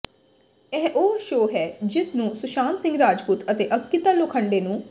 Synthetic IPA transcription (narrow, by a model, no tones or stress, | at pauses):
ɛːʔoːʃoːɦɛːd͡ʒɪsnũːsʊʃaːnsɪ̃ŋɡɾaːd͡ʒpuːt̪ət̪eːʔəbkɪt̪aːlokʰəɳɖeːnũː